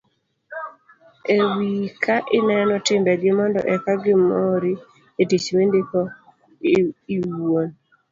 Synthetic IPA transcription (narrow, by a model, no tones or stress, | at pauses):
ewikʰaʔɪnɛnɔtɪmbɛɡɪmɔndɔ̰ʔɛkaɡɪmɔɾi | etit͡ʃmendɪkɔ | iwon